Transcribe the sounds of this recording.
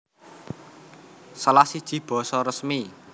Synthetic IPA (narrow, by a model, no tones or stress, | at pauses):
səlasid̥ʒ̥i̤b̥ɔ̤sɔɾəsmi